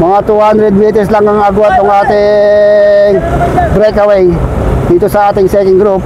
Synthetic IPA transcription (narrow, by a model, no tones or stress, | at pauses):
mɐŋat̪uhand̪ɾɛd̪̚mit̪ɛslaŋɐŋaɡuat̪ːoŋʔaːt̪ɪ | ŋbɾɛkɐwɛjd̪iːt̪osɐaːt̪ɪŋsɛkɪŋɡɾup̚